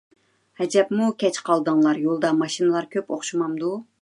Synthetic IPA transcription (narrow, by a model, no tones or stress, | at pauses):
hɛd͡ʒɛpmukʲɛt͡ʃqʰɑlˠd̪ɨŋlˠɑɾjolˠd̪ɑmɑʃinɨlˠɑɾkʲʰøpo̰χʃumɑmd̪u